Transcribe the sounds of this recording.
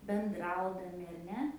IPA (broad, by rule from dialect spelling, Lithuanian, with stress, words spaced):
bʲɛnˈdrɐʊdɐmʲɪ ɐr ˈnʲɛ